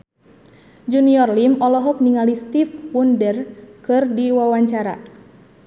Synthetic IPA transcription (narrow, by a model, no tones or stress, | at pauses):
d͡ʒuniɔrlimɔlɔɦɔk̚niŋalist̪ifwundərkɨrdiwawaɲt͡ʃaɾa̰